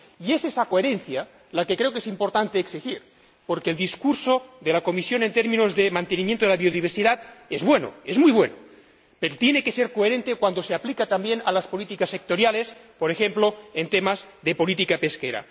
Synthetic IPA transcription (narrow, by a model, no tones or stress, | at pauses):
iesesakoeɾenθja | lakekɾe̞okesimpoɾt̪ant̪eːksixiɾ | poɾkeːld̪iskuɾsoðelako̞misjo̞nent̪eɾmĩnozðemãnt̪enimjent̪oðelaβioðiβ̞eɾsiðat̪ezβweno̰ezmujβweno | peɾot̪jenekese̞ɾkoeɾe̞nt̪ekwand̪oseaplikat̪ambjenalaspolit̪ikasːek̚t̪o̞ɾjalespoɾexemploent̪emazðepo̞lit̪ikape̞skeɾa̰